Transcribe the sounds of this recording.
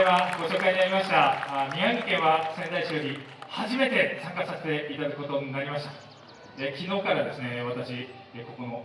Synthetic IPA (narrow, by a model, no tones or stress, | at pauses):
eβaɡo̞t͡ɕo̞ːkaiɲ̟inaɾʲimaɕi̥t̪amʲiãŋɡikẽ̞ɰ̃βasẽ̞nd̪aiɕioɾʲi | haʑime̞t̪e̞sãŋkasase̥t̪e̞it̪ad̪akɯko̞t̪o̞ɲ̟inaɾʲimaɕi̥t̪ḁ | ekʲino̞ːkaɾad̪e̞sɨne̞βat̪aɕi | eko̞ko̞no̞